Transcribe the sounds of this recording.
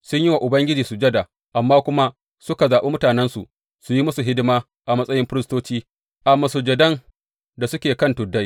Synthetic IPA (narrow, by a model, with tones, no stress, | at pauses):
sʊ˦ɲji˦wa˨ʔʊ˨bɐ˦ŋɡʲɪ˦d͡ʒiː˨su˨d͡ʒɐ˦da˨ | ʔa˨mːaː˦kʷʊ˦ma˦ | sʊ˦ka˨zaː˨ɓe˦mʊ˦taː˨nɛ˦nsu˨ʔ | su˨ji˦mʊ˦su˨ɦɪ˦dɪ˦maː˦ | ʔa˨mɐ˦sʼɐ˦jɪ˦mɸɪ˦ɾɪ˦stoː˦t͡ʃiː˦ | ʔa˨mːɐ˨sʊ˨d͡ʒɐ˨dɐ˦n | da˨sʊ˦kʲeː˨kɐ˦˨ntʊ˨dːɐ˦j